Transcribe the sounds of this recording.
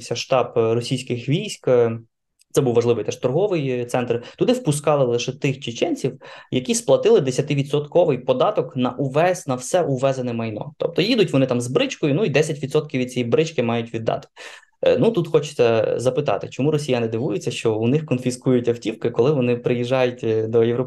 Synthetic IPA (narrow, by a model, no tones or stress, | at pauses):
sʲɐʃt̪ɑprɔsʲijsʲkɪxʋʲijsʲk | t̪ɛbuwʋɐʒlˠɪʋɪjt̪ɛʃt̪ɔrɦɔʋɪjt̪sɛnt̪rt̪ʊd̪ɪwpʊskɑlˠɪlˠɪʃɛt̪ɪxt͡ʃɪt͡ʃɛnʲt͡sʲiwjɐkʲisplˠɐt̪ɪlˠɪd̪esʲɐt̪ɪʋʲid̪sɔt̪kɔʋɪjpɔd̪ɑt̪ɔknɐʔuʋɛsnɐwsɛʔuʋɛzɐnɛmɐjnɔ̰t̪ɔp̚t̪ɔjid̪ʊtʲʋɔnɪt̪ɑmzbɾɪt͡ʃkɔjʊnuid̪ɛsʲɐtʲʋʲid̪sɔt̪̚kʲiwʋʲid̪̚t͡sʲijibɾɪt͡ʃkɪmɑjʊtʲʋʲid̪ːɑ̰t̪ɪ̥ | nut̪ut̪xɔt͡ʃɪ̥t̪ɛzɐpɪt̪ɑ̰t̪ɪ̰t͡ʃɔmuɾɔsʲijanɪd̪ɪʋujʊt͡sʲːɐʃt͡ʃɔunɪxkɔnfʲiskujʊtʲɐwtʲiwkɪkɔlˠɪʋɔnɪpɾɪjiʒɑjʊtʲd̪ɔjewɾɔ